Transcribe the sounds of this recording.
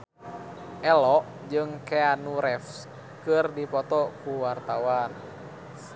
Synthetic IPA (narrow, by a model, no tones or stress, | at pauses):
ʔɛlɔʔ | d͡ʒɨŋkeanuɾɛfs | kɨrdipɔt̪ɔkuwart̪awan